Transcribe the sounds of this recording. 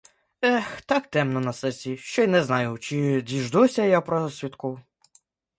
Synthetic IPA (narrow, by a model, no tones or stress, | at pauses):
ɛxt̪ɑkt̪ɛmnɔnɐsɛsʲiʃt͡ʃɔjnɛznɑjʊt͡ʃɪdʲiʒd̪usʲɐjapɾɔsʲʋʲit̪kɔw